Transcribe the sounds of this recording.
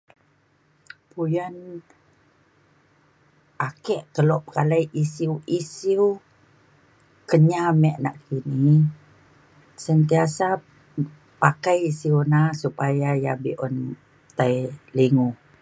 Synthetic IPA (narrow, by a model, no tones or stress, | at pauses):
pujən | akɛʔkəlɔp̚kalajisiuisiw | kəɲamɛʔna̰ʔkini | sənt̪iasa | pakajisiuwnasupajaja̰bḭʔɔn | t̪ailiŋu